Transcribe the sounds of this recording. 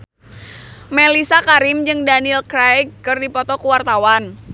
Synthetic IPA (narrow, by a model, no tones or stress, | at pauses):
mɛlisakaɾɪmd͡ʒɨŋdanilkɾajkkːɨrdipɔt̪ɔkuwart̪awan